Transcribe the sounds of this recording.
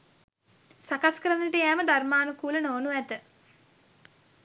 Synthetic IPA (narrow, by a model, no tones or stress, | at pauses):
sakaskəɾanːəʈəjæːməd̪armaːnukuːlənoːnuæt̪ə